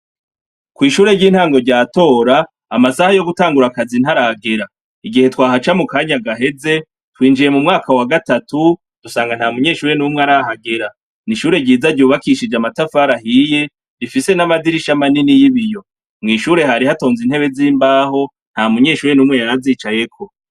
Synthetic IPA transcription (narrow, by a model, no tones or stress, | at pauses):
kwiːʃuːɾe̞ɟiːn̥haːŋɡo̞ɾɟaːto̞ːɾaː | masahajo̞ɡutaːŋɡuɾakazin̥haɾaɡe̞ɾa | iɡihe̞twaːɦat͡ʃamukaːɲaɡaɦe̞ze̞ | twiːnd͡ʒiɾe̞mumŋaːkawaɡatatu | d̥usaːŋɡan̥haːmuɲe̞ːʃuːɾe̞numŋeaɾahaɡe̞ɾa | niʃuːɾe̞ɟiːzaɟuːβakiʃid͡ʒamatafaɾahije̞ | ɾifise̞namadiɾiʃamaninijiβijo̞ | mŋɡiʃuːɾe̞ɦaɾihato̞ːnzin̥he̞βe̞ziːmbaːɦo̞ | n̥hamuɲe̞ːʃuːɾenuːmŋe̞jaɾaziːt͡ʃaje̞kʰo̞